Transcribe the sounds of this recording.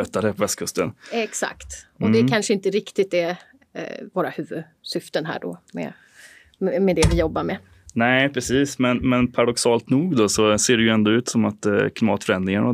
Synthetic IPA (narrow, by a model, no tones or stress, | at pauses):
œt̪ːad̪ɛpʰɔvɛst̪̚kʰɵst̪ənɛksa̰kt̪ɔd̪ɛkʰanʂəɪnt̪əɾɪkt̪ɪt̪ːɛ | voːɾahʉ̟ːvɵd̪ | sʏft̪ənɦæ̰ːɖɔ̰mɛ̰ | ɛmɛd̪ɛvɪjɔbːaɾmɛ | næɪpʰɾɛsiːsmɛnmɛnpʰaɾad̪ɔksɑːlt̪nuːɡd̪ɔsɔseːɖɛjɵɛnd̪ɔʉ̟ːt̪sɔmat̪kʰlɪmɑːt̪fœɾɛnd̪ɾɪŋaɳɔ